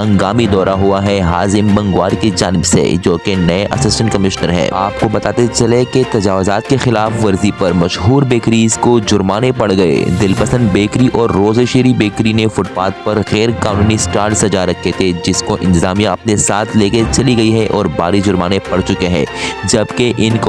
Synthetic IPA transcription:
ɐ̃ŋɡaːmid̪ɔːɾaɦuaɦɛɦaːzɪmbɐ̃ŋɡwaːɾkid͡ʒaːnɪbsḛd͡ʒoːkenɐeʔɐsɪsʈə̃ɳʈkɐmɪʃnəɾɦɛ̰ːaːp̚kobɐt̪aːt̪et͡ʃɐleket̪ɐd͡ʒaːʋʊzaːt̪kexɪlaːfʋɐɾzipɐɾmɐʃɦuːɾbeːkɾizkod͡ʒʊɾmaːnepɐɽɡɐḛd̪ɪlpɐsə̃nd̪beːkɾiʔɔːɾːoːzeʃeːɾibeːkɾinefʊʈfaːt̪̚pɐɾɣɛːɾkaːnuːnisʈaːɾʈsɐd͡ʒaɾɐkʰːet̪ʰed͡ʒɪskoʔɪ̰̃nt̪ɪzaːmijãɐpnesaːt̪ʰleːket͡ʃɐliɡɐiɦɛʔɔːɾbaːɾid͡ʒʊɾmaːnepɐɽt͡ʃʊkeɦɛ̰̃ːd͡ʒɐbkeʔɪnk

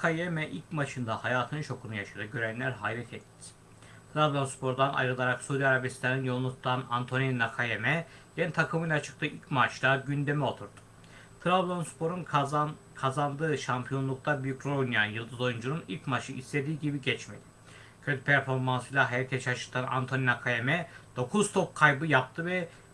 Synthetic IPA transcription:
kʰajemɛʔilʲcmat͡ʃɯnd̪ahajaːt̪ʰɯnɯnʃʰo̞kʰunujaʃad̪ɯɟø̞ɾænlʲæɾɦajlʲɛt̪ʰɛt̪ʰːi̥ | t̪ʰɾablʲonspʰo̞ɾd̪ana̰jɾɯlˠaɾaksud̪iaɾabist̪aninjolˠnˠut̪ːana̰nt̪ʰo̞ninakʰajemɛjenit̪ʰakʰɯmɯjlˠat͡ʃʰɯ̥k̚t̪ʰɯːʔilʲcmat͡ʃlˠaɟynd̪e̞mio̞t̪ʰuɾd̪u̥ | t̪ʰɾablʲonspʰo̞ɾun | kʰazand̪ɯːʃampʰijo̞nlˠuk̚t̪ʰabyjycɾounijanjɯlˠd̪ɯzo̞jund͡ʒununilʲcmaʃʰɯisle̞d̪iːɟibiɟɛt͡ʃme̞̰d̪̥i | cʰøt̪ʰypʰæɾfo̞ɾmansɯjlʲˠaɦt̪ʰet͡ʃʰaʃɯ̥t̪ʰana̰nt̪ʰo̞ninakʰajemɛd̪̥o̞kʰuzt̪ʰop̚kʰajbɯjap̚t̪ʰɯvɛ

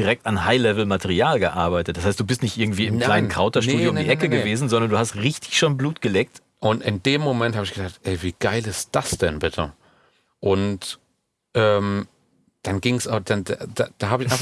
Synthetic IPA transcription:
d̥iʁɛk̚tanhaɪlɛvl̩matʰɛʁiaːlɡəʔaɐbaɪtət̚d̥as̬haɪstd̥uːbɪstnɪçtʔɪɐɡŋ̩tv̥iːɪml̥aɪnənkʁ̥aʊtɐʃtuːjoʊndiːʔɛkəɡəveːzn̩zɔndɐnduːhastʁɪçtɪ̥çʃoːnbluːtɡ̥əlɛːk̚t | ʔʊntɪndeːmːomɛnthaːbɪçɡ̥əzaːk̚tʔɛɪviːɡ̥aɪlɪst̚d̥asd̥ɛnbɪtʰə̰ | ʔʊnt | ʔɛːm | d̥anɡɪŋsad̥anda̰dad̥aɦaːbɪça

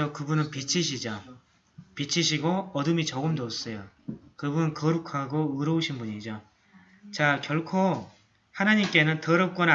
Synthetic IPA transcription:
ʌkɯbunɯnpit͡ɕʰiɕʰid͡ʑa | pit͡ɕʰiɕʰiɡoʌdɯmit͡ɕʌɡɯmdos͈ʌjo | kɯbunɯnkʌɾukʰaɡoɯɾʌuɕʰinbuɲid͡ʑo | t͡ɕakjʌɭkʰo | hanaɲimk͈e̞nɯntʌɾʌp̚k͈wʌn

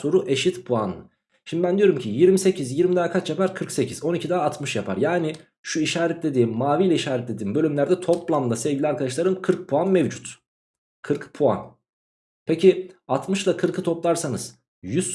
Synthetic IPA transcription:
so̞ɾuʔe̞ʃit̪pʰuanːˠɯ | ʃimd̪ibænd̪ijo̞ɾumcʰijiɾmise̞cʰizjiɾmid̪aːkʰat͡ʃjapaɾkʰɯɾkse̞cʰizo̞nicʰid̪aːt̪mɯʃjapʰa̰ɾjaːnɪ | ʃuiʃaːɾɛt̪ʲlʲe̞d̪iːmːaːvijlʲɛiʃaːɾɛt̪lʲe̞d̪iːmbø̞lʲymlʲæɾd̪ɛt̪ʰo̞plˠamd̪asɛvɟilʲɛaɾkʰad̪aʃlˠaɾɯmkʰɯɾk̚pʰuanmevd͡ʒut̪ | kʰɯɾkpʰua̰n | pʰeciat̪mɯʃlˠakʰɯɾkʰɯt̪ʰo̞plˠaɾsanɯz̥ | jyz

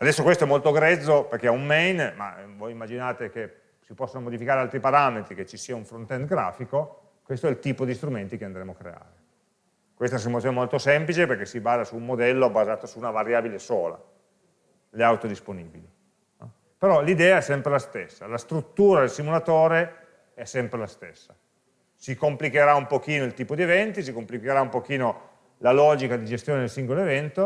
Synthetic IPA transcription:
ad̪ɛsːokwest̪oɛmːolt̪oɡɾɛd̪zːoperk̟eaummɛjnma̰vojimːad͡ʒinaːt̪ek̟e | sipɔsːonomod̪ifikaːɾealt̪ɾipaɾamet̪ɾiket͡ʃːisiːauɱfɾont̪ɛnd̪ɡɾa̰ːfiko | kwest̪oɛlt̪iːpod̪ist̪ɾument̪ikeand̪ɾeːmoakːɾea̰ːɾe | kwest̪asumat̪sonemolt̪osɛmplit͡ʃeperk̟esibaːzasuːmːod̪ɛlːobazaːt̪osuːnavaɾjaːbilesoːla̰ | leawt̪od̪isponiːbili | nɔ | peɾɔlid̪ɛːaɛsːɛmpɾelast̪esːalast̪ɾut̪ːuːɾad̪elsimulat̪oːɾe | ɛsːɛmpɾelast̪esːa | sikomplikeɾaumpokiːnoilt̪iːpod̪ievɛnt̪is̬ikomplikeɾaumpok̟iːno | lalɔːd͡ʒikad̪id͡ʒest̪joːned̪elsiŋɡoloevɛnt̪o

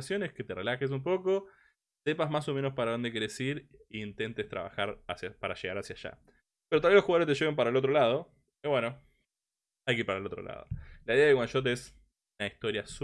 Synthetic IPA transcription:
sjo̞neske̞t̪erelaxes̬umpo̞ko̞ | se̞pazmaso̞menospaɾaðo̞nd̪ekeɾesiɾiːnt̪e̞nt̪est̪ɾa̰βa̰xaɾasjapaɾaʃeɣaɾasjaʃa̰ | peɾt̪alβjeloxuɣaðoest̪eʃeɣempaɾaelo̞t̪ɾolaðo̞ | iβwe̞no | ajkiɾpaɾaelo̞t̪ɾo̰la̰ðo̰laiðeaðewanʃot̪̬es | naist̪o̞ɾjas

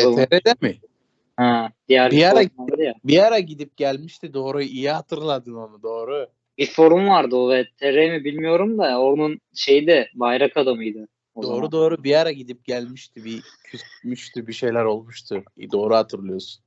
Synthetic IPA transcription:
t̪ʰeɾed̪ɛmɪ | had̪ijæɾaɾaad̪jabiaɾaɟid̪ip̚ɟælʲmiʃt̪ʰid̪o̞ːɾuijihat̪ʰɯɾlˠad̪ɯnonud̪o̞ːɾu | bifo̞ɾumvaɾd̪ɯovɛt̪ʰeɾemibilʲmijo̞ɾumd̪aoɾnunʃe̞jid̪ɛbajɾakʰad̪amɯjd̪ɯ | oo̞ːɾud̪o̞ːɾubiaɾaɟid̪ip̚ɟælʲmiʃt̪ʰibi | cʰysmyʃt̪ʰibiʃe̞jlʲæɾo̞lˠmuʃt̪ʰɯ̰d̪o̞ːɾuhat̪ʰɯɾlˠɯjo̞su̥n

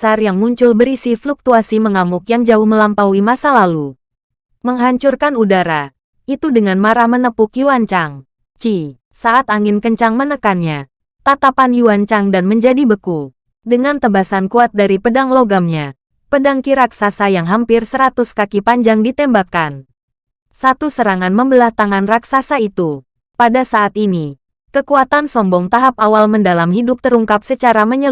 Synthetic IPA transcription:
sarjaŋːuɲt͡ʃʊlbəɾisifluk̚t̪uasiməŋamʊkjaŋd͡ʒaʊhməlampawimasalalu | məŋɦaɲt͡ʃurkanudaɾa | ʔit̪udəŋanmaɾahmənəpʊkjuaɲt͡ʃaŋ | t͡ʃi | saʔat̪aŋɪnkəɲt͡ʃaŋmənəkanɲa | t̪at̪apanjuaɲt͡ʃaŋdanməɲd͡ʒadibəku | dəŋant̪əbasankuat̪̚daɾipədaŋloɡamɲa | pədaŋkiɾaksasajaŋɦampɪrsəɾat̪ʊskakipaɲd͡ʒaŋdit̪ɛmbakan | sat̪usəɾaŋanməmbəlaht̪aŋanraksasait̪u | padasaʔːt̪ini | kəkuat̪ansɔmbɔŋt̪aɦap̚awalməndalamhidʊp̚t̪əɾuŋkap̚sət͡ʃaɾaməɲə

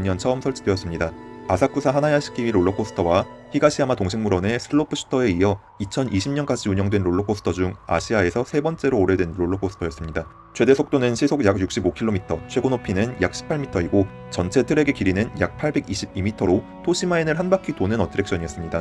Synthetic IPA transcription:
ɲːʌnt͡ɕʰʌmsʰʌɭt͡ɕʰidwe̞ʌs͈ɯmɲidaasʰak͈usʰaɦanajaɕʰi̥k͈ʰiiɾoɭːokʰosʰɯ̥tʰʌwaɸʰiɡaɕʰiamatoŋɕʰiŋmuɾʌne̞sʰɯɭːopʰɯɕʰu̥tʰʌe̞iʌ | it͡ɕʰʌnʔiɕʰimɲʌnk͈ad͡ʑiuɲʌŋdwe̞nɾoɭːokʰosʰɯ̥tʰʌd͡ʑuŋa̰ɕʰiae̞sʰʌsʰe̞bʌnt͡ɕ͈e̞ɾoːɾe̞dwe̞nɾoɭːokʰosʰɯ̥tʰʌjʌs͈ɯmɲida | t͡ɕʰwe̞de̞sʰok̚t͈onɯnɕʰisʰoɡjaɡjuk̚ɕ͈ibokʰiɭːomitʰʌt͡ɕʰwe̞ɡonopʰinɯnjak̚ɕ͈ʰi̥pʰːaɭmitʰʌiɡo | t͡ɕʌnt͡ɕʰe̞tʰɯɾe̞ɡe̞kiɾinɯnjak̚pʰaɭbe̞ɡiɕʰib̚imitʰʌɾo | tʰoɕʰimainɯɭɦanbakʰitonɯnʌtʰɯɾe̞k̚ɕ͈ʌɲiʌs͈ɯmɲida

